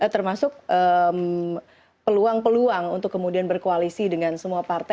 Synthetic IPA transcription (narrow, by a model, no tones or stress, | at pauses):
ət̪ərmasʊk̚ʔəm | pəluaŋpəluaŋṵnt̪ʊkːəmudianbərkoalisidəŋansəmuapart̪a